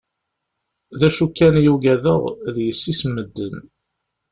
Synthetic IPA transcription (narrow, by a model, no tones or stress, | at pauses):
ðæʃukːænjuɡæðəʁðjəsːisməd̪ːən